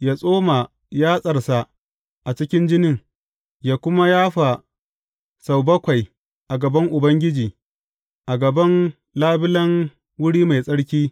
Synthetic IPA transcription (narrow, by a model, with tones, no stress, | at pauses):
jaː˦sʼoː˦ma˨ | jaː˦sʼɐ˨rsa˨ʔ | ʔa˨t͡ʃɪ˦kʲɪ˦nd͡ʒɪ˦nɪ˦˨ŋ | jaː˦kʷʊ˦ma˦jaː˦ɸa˨ | sa˨wbɐ˦kʷa˨j | ʔa˨ɡɐ˨bɐ˦ŋʔʊ˨bɐ˦ŋɡʲɪ˦d͡ʒiː˨ | ʔa˨ɡɐ˨bɐ˦n | laː˦bɪ˦lɐ˦ŋ | wʊ˦ɽiː˦ma˨jsʼɐ˦ɽkʲiː˦